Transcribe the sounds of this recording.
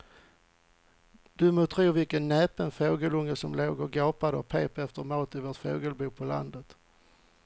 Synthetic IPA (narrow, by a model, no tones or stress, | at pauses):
d̪̥ɵmʊt̪ʰɾuːvɪlkənːɛːpənfoːɡəlɵŋːəsɔmloːɡəɾɡoːpad̪əɔpʰeːpɛft̪əɾmoːt̪ɪvoːʈfoːɡəlbuːpʰɔla̰nd̪ət̪